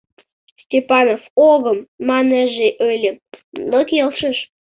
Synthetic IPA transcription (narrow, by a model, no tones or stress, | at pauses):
sʲtʲepɑnofoɣəmːɑnəʒeʔølʲenokʲelˠʃəʃ